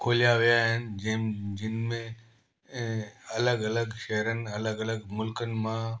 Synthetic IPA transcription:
kʰoːlijaʋijaɦɪnɪ̆d͡ʑɐ̃ɦɪ̃md͡ʑɪnmẽ | ɐləɡɐləɡʃɛɦɾənɪ̆ɐləɡɐləɡmʊlkənɪ̆mã

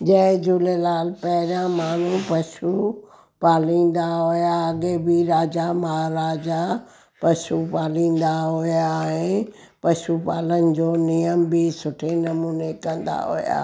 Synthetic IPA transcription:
d͡ʑɐ̃ɦɪ̃d͡ʑuːlelaːlpɐɦɪɾjãmaːn̤upɐʃu | paːlĩːnd̪aɦʊjaɐɡebiɾaːd͡ʑamɐɦaɾaːd͡ʑa | pɐʃupaːlĩːn̆d̪aɦʊjaɦɪ̃ | pɐʃupa̰ːlənɪ̆d͡ʑoːnijəmbɪsʊʈʰenɐmuːnekɐ̃nd̪a̰ɦʊ̰ja̰ː

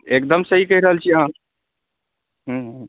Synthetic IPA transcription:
ek̚d̪əmsəɦikəɦiɾəɦəlt͡ʃʰiəɦã | ɦ̩ɦ

